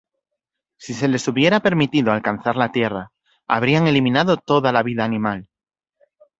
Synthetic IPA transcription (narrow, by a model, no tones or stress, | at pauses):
sise̞le̞suβ̞je̞ɾape̞ɾmit̪iðoalkan̟θaɾlat̪je̞ra | a̰β̞ɾiaŋe̞limĩnaðo̞t̪o̞ðalaβiðaːnĩmal